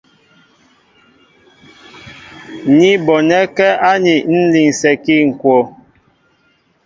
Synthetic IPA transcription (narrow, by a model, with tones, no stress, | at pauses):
ɲi˦bɔ˨nɛ˦kɛ˦a˦ɲi˨n̩˦li˨ŋsɛ˨ki˦˨ŋ̩˨kwɔ˨